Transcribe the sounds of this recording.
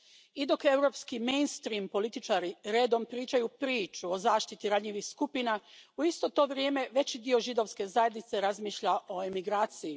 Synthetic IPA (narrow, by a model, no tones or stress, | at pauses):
id̪o̞ke̞wɾo̞pskimejnst̪ɾiːmpo̞lit̪it͡ʃaːɾiɾe̞ːd̪o̞mpɾiːt͡ʃajupɾiːt͡ʃuo̞zaːʃt̪it̪iɾad̪ɲiʋixskupinauist̪o̞t̪o̞ːʋɾje̞ːme̞ʋe̞t͡ɕid̪io̞ʒid̪o̞ʋske̞zaje̞d̪nit̪se̞ɾazmiːʃʎaʔo̞emiɡɾaːt̪siji